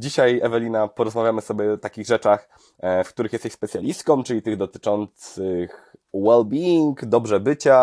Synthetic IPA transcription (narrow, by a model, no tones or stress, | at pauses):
d͡ʑiɕajɛvɛlʲinapɔɾɔzmavʲjamɘsɔbʲjɛɔt̪akʲiɣʐɛt͡ʂax | fkt̪uɾɘxjɛst̪ɛɕʲspɛt̪sʲjalʲist̪̚kɔ̃mt͡ʂɘlʲit̪ɘɣd̪ɔt̪ɘ̥t͡ʂɔnt̪sɘx | wɛlbʲiiŋkd̪ɔbʐɛbɘt͡ɕa